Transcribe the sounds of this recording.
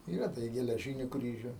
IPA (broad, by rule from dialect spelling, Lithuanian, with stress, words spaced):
ˈiːrɐ ˈdɐ ɪ ɡʲɛlʲɛˈʒʲiːnʲʊ ˈkrʲiːʒʲʊ